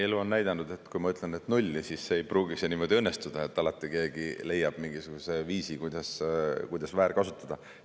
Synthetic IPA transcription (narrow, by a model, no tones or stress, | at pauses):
eluo̞nːæjd̪̥ɑnud̪̥e̞t̪ːkujmɑyt̪ˑlenet̪nulʲːisisːeːjpruːɡisenimo̞d̪̥ʲiɤnːest̪ud̪̥ɑe̞t̪ːˑɑlɑt̪ːˑike̞ːɡile̞jːɑb̥miŋɡ̥isuɡ̥use̞viːsikujd̪̥ɑskujd̪̥ɑsvæːɾkɑsut̪ːˑɑd̪̥ɑ